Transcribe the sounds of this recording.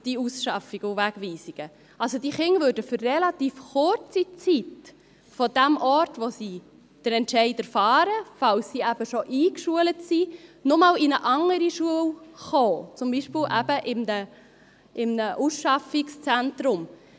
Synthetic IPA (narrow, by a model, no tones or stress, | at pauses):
d̥iusʃɑfiɡ̥ʊvæɡ̥ʋiːsiɡ̥ə | ʔɑlsod̥iχɪŋvøɾdəfʏrrɛlɑt̪iːfχʊɾt͡sit͡sit | fɔd̥æmʔɔɾtʋosiː | d̥əɾɛntʃɛɪdɛɾfɑːɾəfɑlsːiːæb̥əʃoʔiːkʃuələtsinʊmɑːlɪnəʔɑŋəɾiʃuəlχoːt͡sʊmbiʃpɪlʔæb̥əʔɪmnə | ʔɪmnəʔusʃɑfɪkst͡sæntɾʊm